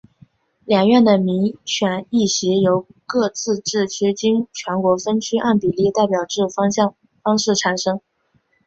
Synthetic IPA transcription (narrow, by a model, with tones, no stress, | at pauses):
ljɑ˨˩ŋɥɛ˥˩nd̪ə˩mi˧˥ŋɕɥɛ˨˩ni˥˩ɕi˧˥jo˧˥ʊkɤ˥˧t͡sɹ̩˥˧ʈ͡ʂɻ̩˥˩t͡ɕʰy˥t͡ɕi˥ŋt͡ɕʰɥɛ˧˥nkwɔ˧˥fə˥nt͡ɕʰy˥ʔa˥˩npi˨˩li˥˧t̪a˥˩ɪpjɑ˨˩ʊʈ͡ʂɻ̩˥˩˥ | fɑ˥ŋʂɻ̩˥˩ʈ͡ʂʰa˨˩nʂɤ˥ŋ